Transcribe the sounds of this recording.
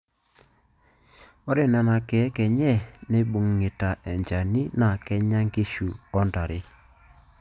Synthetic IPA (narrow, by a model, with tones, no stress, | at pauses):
ɔ˦ɾe˦na˨na˨kɛ˨˦kɛ˨ɲɛ˦˨ne˦ɓu˨ŋːɪ˨ta˨ʔɛ˨ɲd͡ʒa˨ni˦na˨kɛ˦ɲa˦ŋɡe˦ʃu˨ɔ˦nda˨ɾɪ˦